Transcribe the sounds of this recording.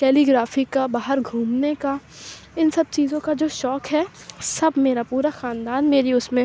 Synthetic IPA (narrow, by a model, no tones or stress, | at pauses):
kɛːliːɡɾaːfikabaːɦəɾɡʱuːmnekaɪnsɐb̚t͡ʃiːzõkad͡ʒoːʃɔːkɦɛsɐbʱmeːɾapuːɾaxaːnd̪aːnmeːɾiʊsmẽ